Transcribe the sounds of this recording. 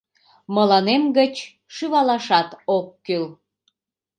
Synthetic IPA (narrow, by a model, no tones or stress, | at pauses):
məlɑnemɡət͡ɕ | ʃyβɑlɑʃɑt̪okːyl